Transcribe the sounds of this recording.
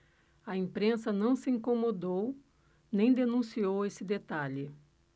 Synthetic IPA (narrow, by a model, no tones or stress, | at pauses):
ɐĩmpɾẽsɐnɐ̃w̃sɪĩŋkomod̪ow | nẽj̃d̪enũsiowesɪd̪et̪aʎɪ